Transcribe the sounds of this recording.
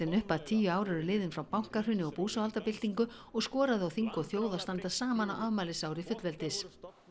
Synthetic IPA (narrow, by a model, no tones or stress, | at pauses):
ɪnʏhpaðt̪ʰiːjʏaːwɾɪɾʏlɪːðɪnfɾawpawŋ̥kar̥ʏnɪɔpuːsaalt̪apɪl̥t̪iŋkʏ | ɔɣskɔːɾaðʏawθiŋkɔθjoːwðast̪ant̪asaːmanawʔavmaːlɪsawɾɪfʏt̪lvɛlt̪ɪs